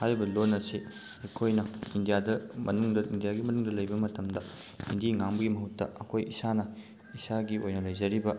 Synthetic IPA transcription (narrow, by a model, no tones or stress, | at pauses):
hajbɐlonːɐse | ɐkʰojnɐindijadɐmɐnuŋdɐʔindijaɡimɐnuŋdɐlɐjbɐmɐtɐmdɐ | indiŋaŋbɐɡimɐɦutːɐ̰ɐkʰojisanɐ | isaɡiojnɐlɐjzɐɾibɐ